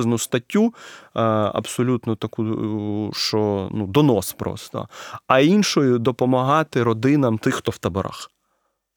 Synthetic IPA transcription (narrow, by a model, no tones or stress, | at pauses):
znʊst̪ɐtʲːu | ɐ̰bsɔlʲut̪nɔt̪ɐku | ʃt͡ʃɔnud̪ɔnɔspɾɔ̰st̪ɔ̰ɐinʃɔjʊd̪ɔpɔmɐɦɑt̪ɪɾɔd̪ɪnɐmt̪ɪxt̪ɔwt̪ɐbɔɾʔa̰x